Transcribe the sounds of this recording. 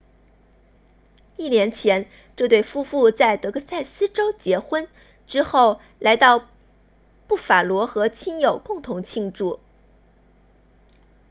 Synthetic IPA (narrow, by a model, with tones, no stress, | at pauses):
i˥˩njɛ˧˥nt͡ɕʰjɛ˧˥n | ʈ͡ʂɤ˥˧t̪we˥˩ɪfu˥fu˥˧t͡sa˥˩ɪt̪ɤ˧˥ɡɤ˥˧sa˥˩ɪsɹ̩˥ʈ͡ʂo˥ʊt͡ɕjɛ˧˥xwə˥n | ʈ͡ʂɻ̩˥xo˥˩ʊ | la˧˥ɪt̪ɑ˥˧ʊ | pu˥˩fa˨˩lwɔ˧˥xɤ˧˥t͡ɕʰi˥njo˨˩ʊkʊ˥˩ŋt̪ʰʊ˧˥ŋt͡ɕʰi˥˧ŋʈ͡ʂu˥˩